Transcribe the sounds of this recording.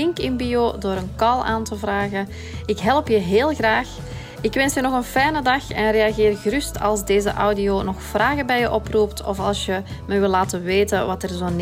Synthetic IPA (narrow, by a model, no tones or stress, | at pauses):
ɪŋkɪnbijoːdoːɾənkɑlˠa̰ːntəvraːɣə | ɪkɦɛləpjəɦeːlˠɣraːx | ɪkʋɛnsjənɔɣənfɛjnədɑxɛnreːɑɣeːrɣərʏstɑ̰lˠzdeːzə̰ʔa̰wdijoːnɔxfraːɣəbɛjəʔɔpruptɔ̰fɑlˠsjəməʋɪlːaːtəʋeːtəʋɑtərzoːn